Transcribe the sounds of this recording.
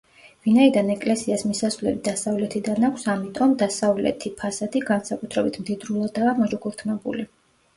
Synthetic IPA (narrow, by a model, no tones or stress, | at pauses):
vinaid̪anɛkʼlɛsiasmisasvlɛbid̪̥asavlɛt̪ʰid̪anakʷʰsamit̪ʼɔmd̪asavlɛ̰t̪ʰipʰasat̪ʰiɡansakʼut̪ʰɾɛbit̪ʰmd̪id̪ɾulˠad̪aːmɔd͡ʒɔkʼuɾt̪ʰmɛbṵli